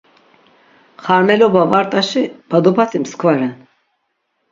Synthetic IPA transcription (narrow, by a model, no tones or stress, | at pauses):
χaɾmɛlɔbavaɾt̪ʼaʃib̥ad̪upʰat͡s̪ʰimskʰvaɾɛn